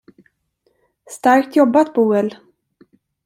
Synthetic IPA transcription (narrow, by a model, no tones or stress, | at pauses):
st̪aɾkt̪ʰjɔbːat̪buːɛl